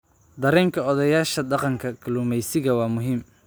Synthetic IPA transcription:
d̪ɐɾɛːŋkʰɐɔðɐjaːʃɐdɑqɑŋkʰɐkʰɐluːmɛjsɪɣɐwɑːmʊɦiːm

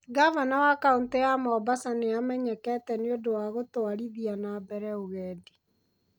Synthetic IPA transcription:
ɡavanawakaunteamɔbasaneamɛɲɛkɛtɛneodowaɣotoaɾiðianabɛɾɛoɣɛːdi

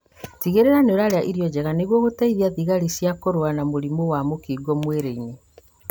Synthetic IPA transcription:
tiɣeɾeɾaneoɾaɾeaʔiɾijɔd͡ʑɛɣaneɣwɔɣotaiðiaðiɣaɾisjakoɾoanamoɾimowamokiːɡɔmweɾeine

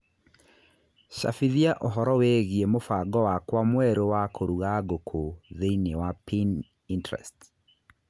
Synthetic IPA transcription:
ʃa̰fiðiaʔoɦɔɾɔweɣiemofaɡɔwakwamwɛɾowakʰoɾuɣaɡokʰoðeinewapin | intɾɛ̰st

